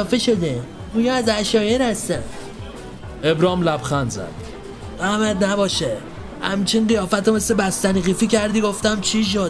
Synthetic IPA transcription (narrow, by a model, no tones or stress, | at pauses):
feʃod̪i | ujɒæzæʃɒːjenhæst̪æn | ebɾɒːmlæbxænzæ̰d̪̥ | ɢæmæd̪næbɒːʃe | hæ̰mt͡ʃʰinɢijɒːfæt̪ome̞slebæst̪æniɣiːficæɾd̪iɡoft̪æmt͡ʃʰiʃ̬o̥